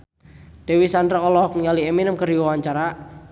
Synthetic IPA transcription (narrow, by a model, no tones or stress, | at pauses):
d̥ewisandɾɔlɔhknialieminəmkəɾiɔwaɲt͡ʃaɾa